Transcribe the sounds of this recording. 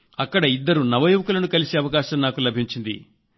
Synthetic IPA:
ɐkːɐɽɐid̪ːɐɾunɐʋɐjuʋɐkulɐnukɐliseɐʋɐkaːʃɐmnaːkulɐbʱiɲt͡ʃind̪ḭ

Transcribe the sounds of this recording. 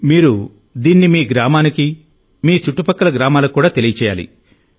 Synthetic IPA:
miːɾu | d̪iːnːimiːɡɾaːmaːniki | miːt͡ʃuʈːupɐkːɐlɐɡɾaːmaːlɐkːuːɽaːt̪elijɐt͡ʃɛːja̰ːlḭ

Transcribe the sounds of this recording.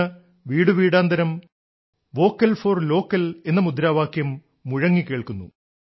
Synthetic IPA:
ɨ | ʋiːɽɨʋiːɽaːnd̪ɐɾɐm | ʋo̞ːkːɐlfo̞ːrlo̞ːkːɐle̞nːɐmud̪ɾaːʋaːkjɐmː | uɻɐŋːikeːɭkunːṵ

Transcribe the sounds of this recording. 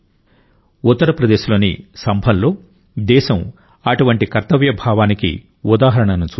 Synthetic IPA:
ut̪ːɐɾɐpɾɐd̪e̞ːʃulo̞ːnisɐmbʱɐnlo̞ː | d̪ɛːʃɐm | ɐʈuʋɐɳʈikɐɾt̪ɐʋjɐbʱaːʋaːnikḭ | ud̪aːɦɐɾɐɳɐnut͡ʃː

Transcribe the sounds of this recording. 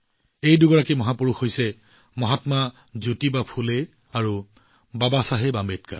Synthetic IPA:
ejduɡɔɹakimɔɦapuɹuxhojsɛ | mɔɦatma | zutibapʰule | aɹu | babasaɦebambet̚ka̰

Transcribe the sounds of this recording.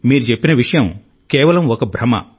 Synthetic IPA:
miːɾut͡ʃepːinɐʋiʂɐjɐm | kɛːʋɐlɐmɔkɐbʱɾɐmɐ̰

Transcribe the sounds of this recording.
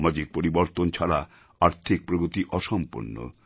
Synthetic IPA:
mad͡ʑik̚poɾiboɾt̪ont͡ɕʰaɾa | aɾt̪ʰik̚pɾoɡot̪iʔɔʃɔmpṵnːo̰

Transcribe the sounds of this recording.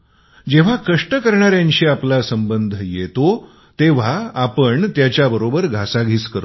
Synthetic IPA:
d͡ʑeʋ̤akəʂʈəkəɾɳaɾjãɲɕiːaplasəmbənd̪ʱjet̪o | t̪eʋ̤aːpəɳt̪jat͡ɕjabəɾobəɾɡʱasaɡʱiːskəɾ

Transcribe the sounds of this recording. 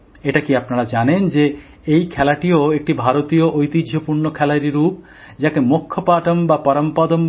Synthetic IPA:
eʈakiapnaɾad͡ʑanend͡ʑe | ejkʰɛlaʈioek̚ʈibʱaɾot̪ioʔojt̪idʱopuɾɳokʰɛlaɾiɾup | d͡ʑakemokʰːopaʈombapɔɾompad̪om

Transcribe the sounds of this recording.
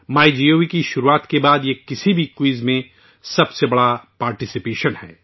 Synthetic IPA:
maːid͡ʒioːʋikiʃʊɾuaːt̪kebaːd̪jekɪsibʱikwiːzmẽ | sɐbsebɐɽapaːɾʈɪsɪpeːʃənhɛ̰ː

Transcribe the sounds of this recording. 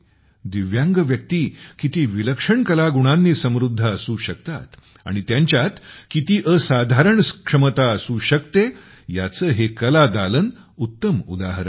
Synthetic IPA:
d̪iʋjãŋɡəʋjək̚t̪iːkit̪iːʋiləkʂəɳkəlaɡuɽ̃anːiːsəmɾud̪ʱːəəsũːɕək̚t̪a̰t̪ | a̰ɽ̃it̪jaɲt͡ɕjat̪kit̪iːʔəsad̪ʱaɾəɳskʂəmət̪aəsũɕək̚t̪e | jat͡səːɦekəlad̪alən | ut̪ːəmṵd̪aɦəɾəɳ

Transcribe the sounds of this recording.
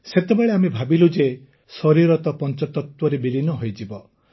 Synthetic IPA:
set̪ebeɭeamebʱabilud͡ʒe | sɔɾiɾɔt̪ɔpɔnt͡ʃɔt̪ɔt̪wɔɾebilinɔɦojd͡ʒibɔ

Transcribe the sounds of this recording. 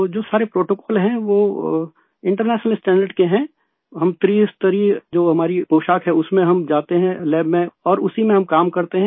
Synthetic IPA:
od͡ʒoːsaːɾepɾoːʈoːkɔːlɦɛ̃ʋoː | ɪ̃ɳʈəɾnɛːʃnəlɪsʈɛ̃ːɳɖəɾɖkeɦɛ̃ː | ɦɐmt̪ɾiːst̪əɾiːd͡ʒoːɦɐmaːɾipoːʃaːkɦɛʊsmẽɦɐmd͡ʒaːt̪eɦɛ̃lɛːbmẽɔːɾʊsimẽɦɐmkaːmkɐɾt̪eɦɛ̃

